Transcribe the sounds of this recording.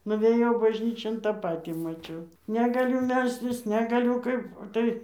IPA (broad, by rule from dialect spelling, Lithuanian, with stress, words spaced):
nʊʋʲeːˈjɛʊ bɐʒʲˈnʲiːt͡ʃʲoːn ˈtɑː ˈpɑːtʲiː mɐˈt͡ʃʲɛʊ nʲɛɡɐˈlʲʊ ˈmʲɛlʲsʲtʲɪs nʲɛɡɐˈlʲʊ ˈkɐɪp oː ˈtɐɪ